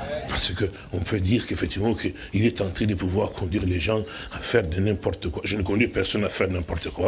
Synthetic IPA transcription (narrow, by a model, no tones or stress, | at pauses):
paʁsəkə | ɔ̃pʰød̪iːʁkefɛk̚t̪ivmɑ̃kʰə | ilɛt̪ɑ̃t̪χɛ̃d̪əpuvwaʁkʰɔ̃d̪ɥiʁleʒɑ̃ | afɛʁd̪ənɛ̃pɔʁt̪əkwaʒənəkɔ̃d̪ɥipɛʁsɔnafɛʁnɛ̃pɔʁt̪əkwa